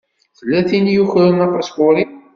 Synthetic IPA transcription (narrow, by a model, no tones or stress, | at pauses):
θəlːæθinjuçɾənɑpɑskʊɾi